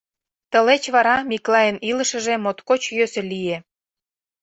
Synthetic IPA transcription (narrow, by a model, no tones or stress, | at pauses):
t̪əlet͡ɕβɑɾɑmiklɑjənilə̆ʃə̆ʒemot̪kot͡ɕjøsĕlije